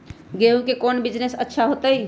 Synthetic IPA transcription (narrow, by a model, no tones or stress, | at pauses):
ɡeũkekoːnbɪd͡ʒnesətːʃʰaɦoːt̪əi